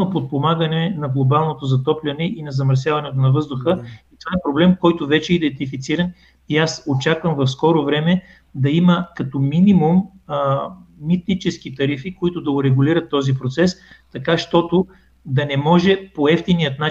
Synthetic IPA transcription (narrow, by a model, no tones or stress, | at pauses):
nopot̪̚pomaɡənɛnɐɡlˠobalˠnot̪ozɐt̪ɔplʲɐnɛʔinɐzɐməɾsʲjavɐnɛt̪̬onɐvɤzd̪ʊxəit̪ovaɛpɾoblɛmkɔjt̪ʊvɛt͡ʃɛid̪ɛnt̪ifit̪siɾɐn | iasot͡ʃakvəmvɐfskɔɾʊvɾɛmɛ | d̪ɐiməkɐt̪ɔminimum | mit̪nit͡ʃɛsk̟it̪ɐɾifikoit̪ʊd̪ɐʊɾɛɡʊliɾɐt̪ːɔzipɾot̪sɛst̪ɐkaʃt̪ɔt̪ʊ | d̪ɐnɛmɔʒɛpoɛft̪inijət̪na